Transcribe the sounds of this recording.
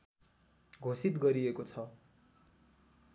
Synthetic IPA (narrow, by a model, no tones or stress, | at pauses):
ɡʱosit̪ɡʌɾiekot͡sʰʌ